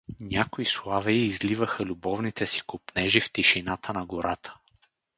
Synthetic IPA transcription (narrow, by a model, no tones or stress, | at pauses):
nʲakʊislˠavɛːzlivəxəlʲubɔvnit̪ɛsi̥kʊpnɛʒift̪iʃinat̪ʰənɐɡoɾat̪ʰə̥